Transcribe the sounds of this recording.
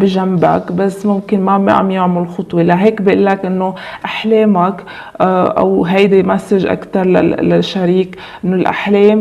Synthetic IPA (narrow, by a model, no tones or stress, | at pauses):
bɪʒamːba̰kbasːmʊmkɪnmab̰ʕa̰mjʊʕmʊllxʊt̪ˤwelaɦeːkbɪʔɪlːakʔɪnːo | ʔaħleːmak | ʔa̰wɦajd̪emasːɪʒʔa̰kt̪ɑɾˤla̰la̰ʃːaɾiːk | ʔɪnːolʔa̰ħleːm